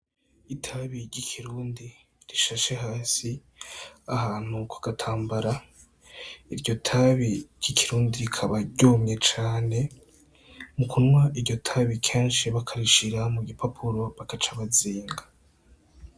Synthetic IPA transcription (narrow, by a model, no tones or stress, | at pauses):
itʰaβiɾɟikʰiɾuːndi | ɾiʃaʃeɦaːsi | ahaːn̥hukʰḁɡ̥atʰaːmbaɾa | iɾɟo̞tʰaβiɾɟ̥ikʰiɾuːndiɾikʰaβaɟoːmɲe̞t͡ʃaːne̞ | mukʰunwaʔiɾɟo̞tʰaβikʰeːnʃiβakʰaɾiʃiɾamuɡipʰapʰuɾo̞βakat͡ʃaβaziːŋɡḁ